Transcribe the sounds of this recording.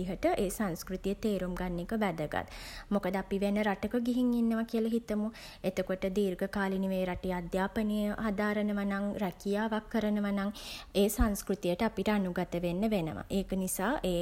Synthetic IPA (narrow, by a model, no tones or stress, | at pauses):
iɦəʈəʔeːsaŋskɾut̪ijət̪eːɾumɡanːikəʋæd̪əɡa̰t̪mokəd̪əapiʋenːəɾaʈəkəɡiɦiŋinːəʋakijəlɐɦit̪əmu | et̪əkoʈəd̪iːrɡəkaːliniʋejɾaʈijad̪jaːpənijəɦad̪aːɾənəʋanaŋɾɛkijaːʋakʰːəɾənəʋanaŋeːsaŋskɾut̪ijəʈəapiʈəanuɡat̪əʋenːəʋenə̰ʋa̰ʔeːkənisaːʔeː